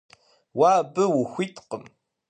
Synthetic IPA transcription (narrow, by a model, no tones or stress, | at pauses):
waːbɨwʊxʷitʰʼqəm